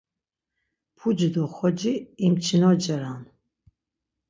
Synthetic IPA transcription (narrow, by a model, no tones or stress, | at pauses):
pʰud͡ʒd̪ɔχɔd͡ʒiːmt͡ʃʰinɔd͡ʒɐɾan